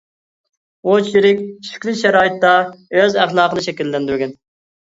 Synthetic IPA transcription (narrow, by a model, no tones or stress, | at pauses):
ot͡ʃʰiɾɪkʲʃi̥kʲlˠɪʃɛɾɑːjit̪ːɑøzæχlˠɑːqənɨʃɛkʲilːɛnd̪yɾɡʲɛn